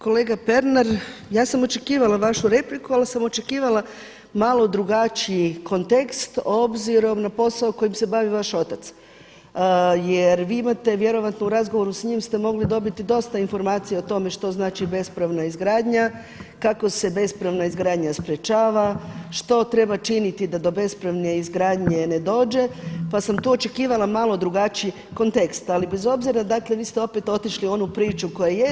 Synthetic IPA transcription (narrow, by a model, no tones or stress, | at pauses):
ko̞le̞ːɡape̞ɾnaɾjaːsamo̞t͡ʃe̞kiːʋalaʋaʃuɾe̞plikualsamo̞t͡ʃe̞kiːʋala | malˠo̞d̪ɾuɡat͡ʃiiko̞nt̪e̞kst̪o̞bziɾo̞mnapo̞saoko̞jimse̞baʋiʋaʃo̞t̪at̪s | jeɾʋiːimat̪e̞ʋje̞ɾo̞ʋat̪nouɾazɡoʋo̞ɾusɲiːmst̪e̞mo̞ɡlid̪o̞bit̪id̪o̞st̪ainfo̞ɾmaːt̪sijeot̪o̞me̞ʃt̪o̞znaːt͡ʃibe̞spɾaʋnaizɡɾaːd̪ɲa | kako̞se̞be̞spɾaʋnaizɡɾaːd̪ɲaspɾet͡ʃaːʋaʃt̪o̞t̪ɾe̞bat͡ʃinit̪id̪ad̪o̞be̞spɾaʋne̞izɡɾaːd̪ɲe̞ne̞d̪o̞ːd͡ʒe̞pasamt̪uːo̞t͡ʃe̞kiːʋalˠamalˠo̞d̪ɾuɡat͡ʃij | ko̞nt̪e̞kst̪alibe̞zo̞bziɾad̪akle̞ʋiːst̪e̞o̞pe̞t̪o̞t̪iʃlio̞nupɾiːt͡ʃuko̞jeje